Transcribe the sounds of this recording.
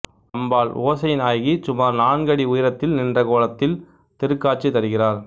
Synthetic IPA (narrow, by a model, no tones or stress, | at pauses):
ɐmbaːɭoːsɐjɪnaːjɣisʊmaːɾnaːɳɡɐɽiʊjɪɾɐt̪ːɪlnɪndrɐkoːlɐt̪ːɪl | t̪ɪɾɯkːaːʈ̚t͡ʃːit̪ɐɾɯɣɪraːɾ